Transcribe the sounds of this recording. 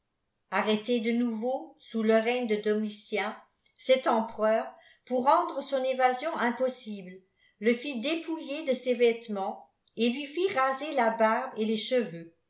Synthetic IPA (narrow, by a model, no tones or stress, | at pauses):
aʁet̪ed̪ənuvosuləʁɛɲd̪əd̪ɔmisjɛ̃ | sɛt̪ɑ̃pχœːʁ | puʁːɑ̃d̪ʁəsɔ̃nevazjɔ̃ʔɛ̃pɔsibl | ləfid̪epujed̪əsevɛt̪mɑ̃ | elɥifiʁazelabaʁbeleʃəvø